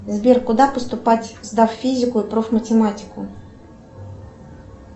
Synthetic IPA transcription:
zbʲerkʊd̪apəst̪ʊpatʲzd̪affʲizʲɪkʊipɾofmətʲɪmatʲɪ̥kʊ

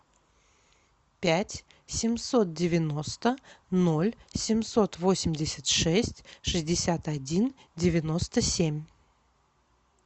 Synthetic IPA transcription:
pʲætʲ | sʲɪmʲso̞t̪̚dʲɪvʲɪno̞st̪əno̞lʲsʲɪmʲso̞t̪vo̞sʲɪmʲdʲɪsʲɪt̪ʂɛsʲtʲʂɨzʲdʲɪsʲat̪ɐdʲindʲɪvʲɪno̞st̪əsʲemʲ

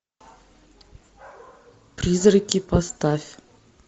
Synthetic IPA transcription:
prʲizrəkʲipast̪afʲ

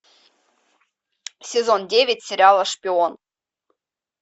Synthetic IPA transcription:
sʲezondʲevʲɪtʲsʲeɾʲɑlˠəʂpʲion

